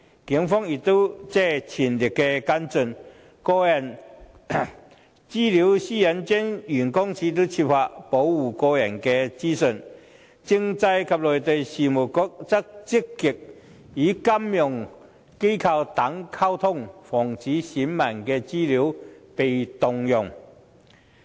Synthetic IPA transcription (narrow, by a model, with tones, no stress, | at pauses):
ki˨˥ŋfɔ˥ŋi˨˩t̪o˥t͡sɛ˥˩t͡ɕʰi˨˩nli˨˩kːɛ˧ka˥nt͡sə˧n | kɔː˧jɐ˨˩n | t͡siː˥li˨˦wsiː˥jɐ˨˥nt͡ɕɛ˥njy˨˩nkɔ˥ŋt͡sʰi˨˥t̪̬u˥t͡ɕʰi˧p̚fa˧˥ʔpo˨˥wwu˨˩kɔː˧jɐ˨˩nkɛ˧t͡siː˥sə˧˨n | t͡si˧ŋt͡sa˧jkʰɐ˨p̚lɔ˨jt̪e˨jsiː˨mu˨˩kɔ˧˥k̚t͡sɐ˥k̚t͡sɪ˥kːɪ˨˩k̚ | iː˨˥kɐ˥mjʊ˨˩ŋ | ke˥jkʰɐ˧wt̪a˨˥ŋkʰa˥wt̪ʰʊ˥ŋfɔː˨˩ŋt͡siː˨˥si˨˥nmɐ˨˩nkɛː˧t͡siː˥li˨˥wpe˨jt̪ʊ˨˧ŋjʊ˨˩ŋ